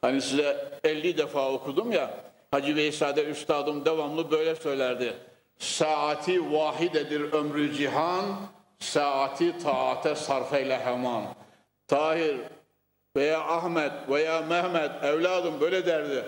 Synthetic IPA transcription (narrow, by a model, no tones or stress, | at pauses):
hanisizɛɛlːid̪ɛfaːokʰud̪umja | had͡ʒibɛisaːd̪ɛyst̪ʰɑːd̪ɯmd̪ɛvamlˠɯbø̞jlɛsø̞jlʲæɾd̪i | saːat̪ʰivɑːɦid̪ɛd̪iɾømɾyd͡ʒiɦan | saːat̪ʰit̪ʰɑːat̪ʰɛsɑɾfɛilɛɦɛmɑn | t̪ʰɑːhiɾ | vɛjaːʔahmɛd̪vɛjaːmæhmɛd̪ɛvlɑːd̪ɯmbøjlɛd̪æɾd̪i